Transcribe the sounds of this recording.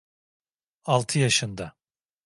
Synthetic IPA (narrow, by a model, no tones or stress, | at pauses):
alˠt̪ʰɯjaʃɯnd̪a